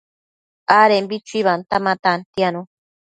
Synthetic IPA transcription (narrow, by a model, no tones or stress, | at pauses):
aɾembit͡ʃʷiβant̪amãt̪ant̪ianũ